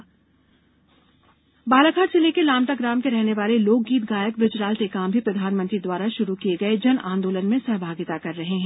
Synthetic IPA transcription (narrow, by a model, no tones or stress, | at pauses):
baːlakʰaːʈseleːkelaːmʈ̪aɡɾaːmkeɾɛɦneʋaːleloːk̚ɡiːt̪ɡaːjək̚bɾɪd͡ʒɾaːlt̪ekaːmbʱipɾɐd̪ʱaːnmə̃nt̪ɾid̪ʋaːɾaʃʊɾukieɡɐed͡ʒɐnʔã̰ːnd̪oːlənmẽsɐɦbʱaːɡɪt̪akɐɾːɐɦeɦɛ̃ː